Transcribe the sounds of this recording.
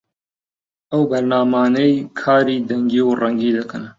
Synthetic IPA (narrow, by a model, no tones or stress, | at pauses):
ɐwbɐɾnaːmaːnɐjkʰaːɾiːd̪ɐŋɡiːwrɐŋɡiːd̪ɐkɨn